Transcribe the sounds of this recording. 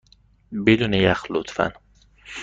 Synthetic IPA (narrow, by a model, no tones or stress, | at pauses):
bed̪uːnejæxlot̪fæ̰n